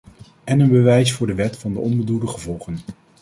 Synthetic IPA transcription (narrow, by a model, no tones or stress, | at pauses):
ɛnənbəʋɛjsfʊːɹdəʋɛtfɑndəɔnbədudəχəvɔlˠχən